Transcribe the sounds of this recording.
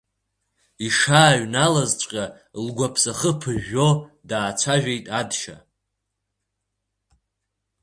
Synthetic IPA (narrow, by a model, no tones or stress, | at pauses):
iʂaːɥnalazt͡ʃʷʼkʲʼa | lɡʷapʰsaχəpʰɨʒodaːt͡ʃʷʰaʒᶣejtʼadʃa̰